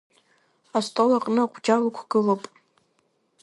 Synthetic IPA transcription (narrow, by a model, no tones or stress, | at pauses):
astʼolaqʼnɨaqʷʰʼd͡ʒalakʷʰɡ̥ɨlopʼ